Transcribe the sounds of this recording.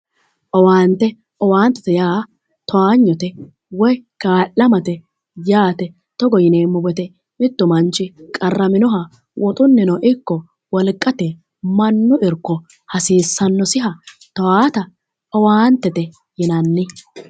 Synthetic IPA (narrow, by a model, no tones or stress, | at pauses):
ʔɔwaːnt̪ːɛ | ʔɔwaːnt̪ːɛ̥t̪ɛjaː | t̪ɔwaːɲːɔt̪ɛ | wɔjkaːlːɐmɐt̪ɛ | jaːt̪ɛ | t̪ɔɡɔjɪneːmːʊbɛt̪ɛ | mɪt̪ːʊmɐnt͡ʃːɪkʼɐrːɐmɪnɔɦɐ | wʔɔt̪ʼʊnːɪnɔʔɪkːɔ | wɔlkʼːɐt̪ɛ | mɐnːʊɪɾkːɔ | hɐsiːsːɐnːɔsɪɦɐ | t̪ɔwaːt̪ɐ | ʔɔwaːnt̪ːɛt̪ɛ | jɪnɐnːɪ